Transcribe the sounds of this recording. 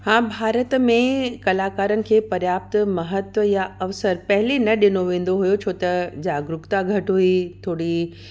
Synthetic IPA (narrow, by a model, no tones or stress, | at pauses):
hãːbʱaːɾət̪mẽkɐlaːkaːɾənɪ̆kʰeːpɐɾjaːp̚t̪mɐɦət̪ʋəjaɐʋsəɾpɐɦɪlenɐɗɪnoʋẽːn̆d̪oɦujot͡ɕʰoːt̪ɐd͡ʑaːɡɾʊkt̪aɡʱɐʈɦuit̪ʰoːɽi